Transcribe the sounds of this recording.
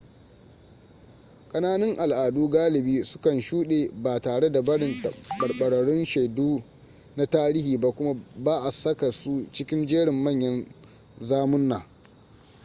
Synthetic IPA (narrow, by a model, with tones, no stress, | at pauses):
kʼɐ˦naː˦nɪ˦ŋʔa˨lʔaː˨duː˦ɡaː˦lɪ˨biː˦sʊ̥˦kɐ˨nʃuː˦ɗeː˨baː˨taː˨ɽe˦da˨bɐ˦ɽɪ˨ntɐ˨ɓɐ˨rɓɐ˨ɽɐ˨ɽɪ˦nʃa˨jduː˦ | na˦taː˦ɾiː˦hiː˨ba˦kʷʊ˦ma˦baː˦ʔa˨sɐ˦ka˨su˦t͡ʃɪ˦kʲɪ˦nd͡ʒeː˦ɽɪ˨mːɐ˦˨ɲjɐ˦n | zaː˦mʊ˦nːaː˨